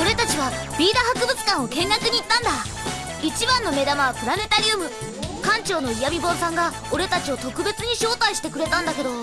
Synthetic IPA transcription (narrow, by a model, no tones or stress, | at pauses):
o̞ɾe̞t̪at͡ɕiβabʲiːd̪ahakɯ̟bɯ̟t͡sɨ̥kãɰ̃o̞kẽ̞ŋɡakɯ̟ɲ̟iːt̪ːãnd̪a | it͡ɕibãnːo̞me̞d̪amaβapɯ̟ɾane̞t̪aɾʲiɯmɯ̟ | kãɲ̟t͡ɕo̞ːno̞ijamʲibõ̞ɰ̃sãŋɡa | oɾe̞t̪at͡ɕio̞t̪o̞kɯ̟be̞t͡sɨɲ̟iɕo̞ːt̪aiɕi̥t̪e̞kɯ̟ɾe̞t̪ãnd̪ake̞d̪o̞